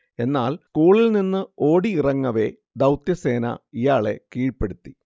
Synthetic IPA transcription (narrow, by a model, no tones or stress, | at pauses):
e̞nːaːlskuːɭilninːɨo̞ːɽiirɐŋːɐʋe̞ | d̪ɐwt̪jɐse̞ːnɐ̰ijaːɭe̞̰kiːɻpːe̞ɽut̪ːi